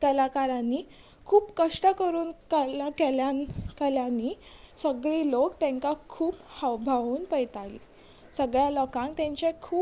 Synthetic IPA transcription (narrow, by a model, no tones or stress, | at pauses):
kəlakaɾanːi | kʰuːpkəʂʈəkəɾuːnkɛlakeljakɛljanːisəɡɭilokt̪ɛ̃ŋkakʰuːphəʋbʱaʋuːnpəjt̪alḭ | səɡɭjalɔkãŋkt̪ɛ̃ɲt͡ɕekʰuː